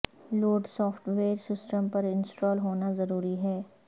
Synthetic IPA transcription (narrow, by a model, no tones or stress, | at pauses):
loːɖsɔːfʈʋeːɾsɪsʈəmpɐɾɪ̃nsʈɔːlɦoːnazɐɾuːɾiɦɛː